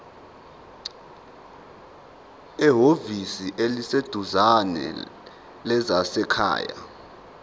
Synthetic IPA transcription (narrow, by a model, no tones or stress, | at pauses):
ɛɦovisiʔelised̥ʱuzanɛ̰ | lɛzasɛkʰa̰ːja̰